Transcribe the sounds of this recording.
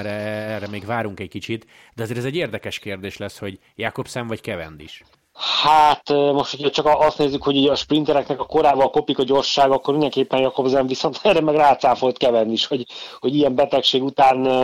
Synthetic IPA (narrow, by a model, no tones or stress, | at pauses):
ɾɛrɛmeːɡʋvaːɾuŋkɛc̚kit͡ʃit̪ | d̪ɛɒzeːɾɛzɛɟːeːrd̪ɛkɛʃkeːrd̪eːʃlɛsho̞ɟ | jaːkobsɛɱvɒckɛvɛ̰nd̪ḭʃ | hat̪mo̞ʃt̪hocʰɒt͡ʃɒkɒʔɒst̪neːzːykho̞ɟuːɟɒʃprint̪ɛɾɛknɛkɒko̞ɾaːvɒlko̞pikɒɟo̞rʃaːɡɒkːormind̪ɛŋkeːpːɛnjɒko̞bzɛɱviso̞nt̪ɛrɛmɛɡraːt̪saːfo̞lt̪̚kɛvɛnd̪iʃho̞ɟho̞ɟijɛmbɛt̪ɛkʃeːɡut̪aːn